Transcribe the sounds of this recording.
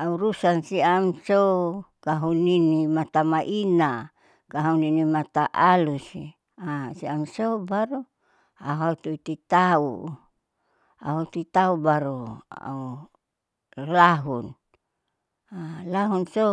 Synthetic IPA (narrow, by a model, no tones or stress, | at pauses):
auɾusansiamsokaɦuninimat̪amaʔina | kaɦuninimat̪aʔalusi | asiamsobaɾu | a̰ɦaut̪uit̪it̪aṵ | a̰ɦot̪it̪aubaɾoa̰u | laɦun | alaɦunso